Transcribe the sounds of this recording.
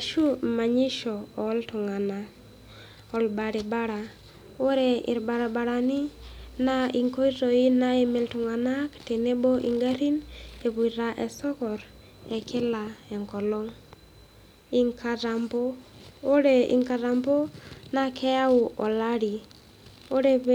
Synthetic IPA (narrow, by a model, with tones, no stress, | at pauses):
a˨ʃu˦ma˨ɲi˦ʃɔː˨˦ltu˨ŋa˨na˨ | ɔ˨lba˨ɾi˨ba˦ɾa˨ | o˦ɾɛ˨ɪ̰˨ɾba˨ɾa˨ba˨ɾa˨nɪ˦na˦i˨ŋko˦i˦ɾo˨i˦na˦e˦mɛ˨ltu˨ŋa˨na˦kte˨ne˦bɔ˦ʔi˨ŋɡa˦ɾi˦ne˨βu˨ɾa˨ʔɛ˨sɔ˦kɔ˨ɾ | ɛ˨kɪ˦la˨ɛ˨ŋkɔ˨lɔ˦ŋ | i˨ŋkʰa˨ɾa˨mbo˦o˦ɾe˦˨ḭ˨ŋka˨ɾa˨mbo˦na˦kʰɛ˦ja˦u˨ʔɔ˨la˦ɾi˨ | o˦ɾe˦